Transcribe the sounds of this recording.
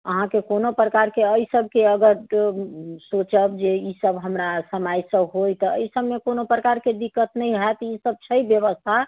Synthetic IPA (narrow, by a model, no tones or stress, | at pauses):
əɦãkekonopɾəkaɾkeəisəb̚ʱkeəɡəɾ | sot͡ʃəbd͡ʒeisəbɦəmɾasəmajsə̃bɦojt̪ɔə̰isəbmekonopɾəkaɾked̪ikːət̪nəiɦat̪isəb̚t͡ʃʰəibjəβəst̪ʰa